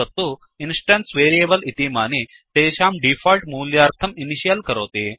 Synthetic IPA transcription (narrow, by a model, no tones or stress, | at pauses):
ɐt̪ːu | insʈɐnsʋeːɾijeːbəlit̪imaːni | t̪eːɕaːmɖifɔlʈmuːljaːɾt̪ʰɐminiɕijəlkəɾoːt̪eː